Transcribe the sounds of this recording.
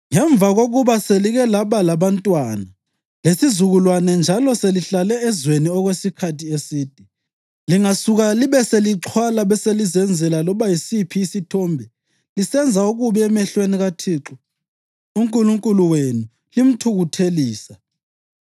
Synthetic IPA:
ŋɛɱb̪vaɣoɣuβaseliɣɛlaβalaβantʼwana | lesizuɣulwanɛnd͡ʒʱalɔseliɬalɛːzweniɔɣwesikʰatʰiesiːd̥ʱi | liŋasuɣaliβɛseliǁʰwalaβɛselizɛnd͡zʱɛlalɔβajisipʰiːsitʰɔːmbʱɛ | lisɛnd͡zʱauɣuβɛɛmɛɬweniɣatʰiːǁɔ | uŋkʼuluŋkʼuluwenu | lim̩tʰuɣutʰeliːsa

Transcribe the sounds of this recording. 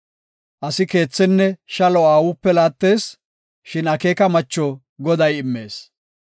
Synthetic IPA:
ʔɐsɪke̞ːt͡sːɛnːɛʃɐlɔaːwʊpːɛlaːt̪ːe̞ːs | ʃɪnɐke̞ːkɐmɐt͡ʃːɔ | ɡɔd̪ɐjɪmːe̞ːs

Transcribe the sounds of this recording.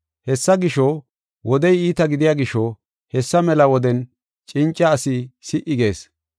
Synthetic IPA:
hɛsːɐɡɪʃɔ | wʔɔd̪ɛjiːt̪ɐɡɪd̪ɪjaːɡɪʃːɔ | hɛsːɐmɛlɐwɔd̪ɛn | t͡ʃʼɪnt͡ʃʼːɐːsɪsɪʔɪɡe̞ːs

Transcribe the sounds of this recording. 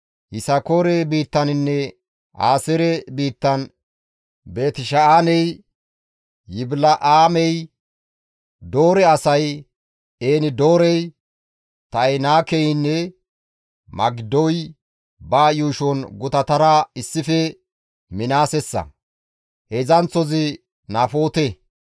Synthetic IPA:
hɪsɐkoːɾɛbiːt̪ːɐnɪnːɛ | ʔa̰ːsɛɾɛbiːt̪ːɐn | beːt̪ɪʃɐʔaːnɛj | ɪblɐʔaːmɛj | d̪o̞ːɾɛɐsɐj | eːnɪd̪oːɾɛj | t̪ɐjnaːkɛjɪnːɛ | mɐ̰ɡɪd̪ɔj | baːjuːʃɔnɡʊt̪ɐt̪ɐɾaɪsːɪfɛ | mɪnaːsɛsːɐ̰ | hɛzɐnt͡sːɔzɪ | naːfo̞ːt̪ɛ

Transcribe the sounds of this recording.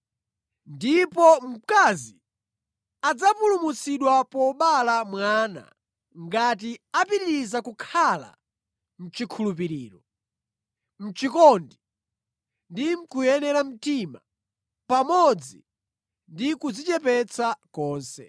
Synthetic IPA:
ndipɔm̩kazi | ad͡zapulumusiɗwapɔɓalamwaːna̰ | ŋɡat̬iapiɾiɾizakukʰala̰ | m̩t͡ʃikʰulupiɾiːɾɔ | m̩t͡ʃikɔndi | ndim̩kujɛnɛɾam̩tima | pamɔd͡zi | ndikud͡zit͡ʃɛpɛt͡sʰakɔːnsɛ̰

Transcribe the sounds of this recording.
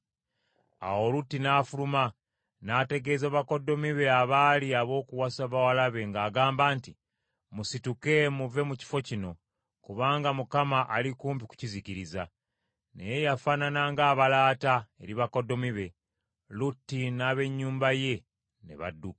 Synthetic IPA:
a̰wo̞lutːinaːfuluma | naːte̞ɡe̞ːzaβako̞do̞miβe̞aβaːliaβo̞ːkuwasaβawalaβe̞ŋɡaːɡaːmbaːnti | musituke̞muve̞muci̥fo̞cino̞ | kuβaːŋɡamukamaʔalikuːmpiku̥ciziciɾiza | ne̞̰je̞jafananaŋɡaːβalaːtae̞ɾiβako̞do̞miβe̞ | lutːinaβe̞ɲːuːmbaje̞ | ne̞̰βa̰dːuk

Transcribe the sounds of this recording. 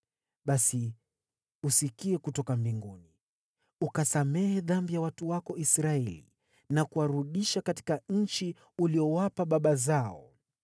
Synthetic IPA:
ɓasi | usikiɛkutɔkambiŋɡuni | ukasamɛhɛðambijawatuwakɔisɾaɛlḭ | nakuwaɾuɗiʃakati̥kaɲ̩t͡ʃi | uliɔwapaɓaɓazaɔ̰

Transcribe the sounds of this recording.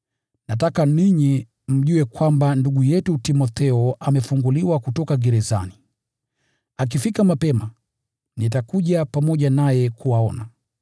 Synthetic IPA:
natakaniɲi | m̩ʄuwɛkwambanduɠujɛtutimɔt̪ɛɔamɛfuŋɡuliwakutɔkaɡɛɾɛza̰ni | ak̬ifikamapɛma | nit̬akuʄapamɔʄanajɛkuwaɔna

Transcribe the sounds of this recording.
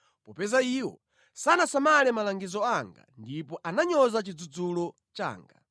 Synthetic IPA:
pɔpɛzaiwɔ̰ | sanasamalɛmalaŋɡizɔaŋɡa̰ndipɔʔanaɲɔzat͡ʃid͡zud͡zulɔ | t͡ʃa̰ːŋɡa

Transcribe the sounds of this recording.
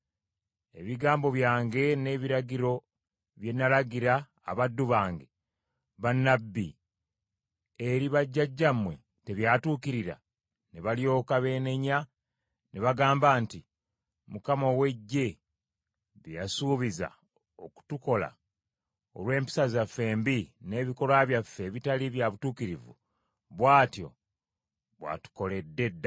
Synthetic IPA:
eβiɡaːmbo̞βjaːŋɡe̞ne̞ːβiɾaɟiɾo̞ | βje̞nːalaɡiɾa̰ː | βadːuβaːŋɡe̞ | βanːabːḭ | eɾiβaɟːaɟːamwe̞ | te̞βjaːtuːkiɾiɾa̰ | neβaljo̞ːkaβe̞ːne̞ɲa | neβaɡaːmbaːnti | mukamowe̞ɟːe̞ | βijasuːβiza̰ | oku̥tuko̞la̰ | o̰lwe̞ːmpi̥sazafːe̞ːmbine̞ːβiko̞lwaβjafːe̞βitaliβjaβutuːkiɾivṵ | βwaːtjo̞̰ | βwa̰tu̥ko̞le̞dːe̞dːa

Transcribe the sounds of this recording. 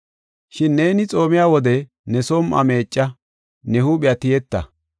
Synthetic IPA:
ʃɪnːe̞ːnɪt͡sʼo̞ːmɪjaːwɔd̪ɛ | nɛsoːmʔɐ̰me̞ːt͡ʃʼːɐ | nɛhuːɓɪjat̪ɪjɛt̪ːɐ̰

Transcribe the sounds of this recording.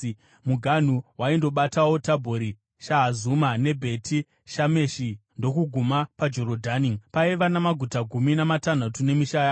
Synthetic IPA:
muɡʱan̤uwaindo̞ɓatawo̞tabʱoɾi | ʃaɦazumane̞bʱe̞tʰi | ʃame̞ʃindo̞kuɡʱumapad͡ʒoɾodʱanipaiʋanamaɡʱutaɡʱuminamatan̤atune̞miʃajaː

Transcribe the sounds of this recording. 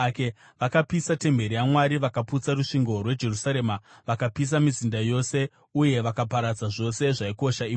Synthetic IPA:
ke | ʋakapisate̞mbe̞ɾijamwaɾiʋakaput͡saruʂiŋɡo̞rwe̞d͡ʒe̞rusaɾe̞ːmaʋakapis̬amizindajo̞se̞ | uje̞ʋakap̬aɾad͡zaʐo̞se̞ʐaiko̞ʃaiː

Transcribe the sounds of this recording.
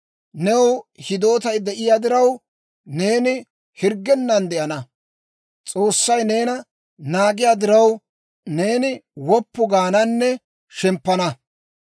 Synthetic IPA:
nɛwhɪd̪o̞ːt̪ɐjd̪ɛʔɪjaːd̪ɪɾɐw | ne̞ːnɪ | hɪɾɡːɛnːɐnd̪ɛʔɐnɐ | t͡sʼo̞ːsːɐjne̞ːnɐ | naːɡɪjaːd̪ɪɾɐw | ne̞ːnɪwɔpːʊɡaːnɐnːɛ | ʃɛmpːɐnɐ

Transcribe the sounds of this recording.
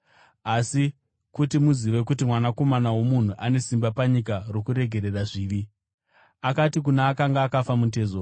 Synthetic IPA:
asi | kutimuziʋe̞kut̬imwanako̞manawo̞mun̤uʔane̞simbapaɲikarokuɾe̞ɡʱe̞ɾe̞raʐiːʋi | akatik̬unaːkaŋɡaːkafamut̬e̞ːzo

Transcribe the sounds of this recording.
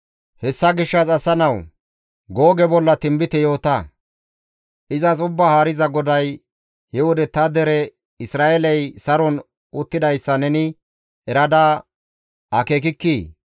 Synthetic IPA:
hɛsːɐɡɪʃːɐsɐsːɐnɐw | ɡoːɡɛbɔlːɐt̪ɪmbɪt̪ɛjo̞ːt̪ɐ | ʔɪzɐs̬ʊbːahaːɾɪzɐɡɔd̪ɐj | hɛwɔd̪ɛt̪ɐd̪ɛɾɛ | ɪsɾaːʔɛlɛjsɐɾɔn | ʊt̪ːɪd̪ɐjsːɐnɛnɪ | ɛɾɐd̪aː | ɐkeːk̬ɪkːiː

